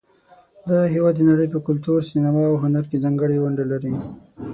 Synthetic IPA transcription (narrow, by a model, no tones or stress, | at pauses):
d̪aɦiwɑd̪ːnaɽəjpəkʊlt̪uɾsinamɑːwɦʊnaɾkezɑŋɡəɽewʊɳɖalaɾi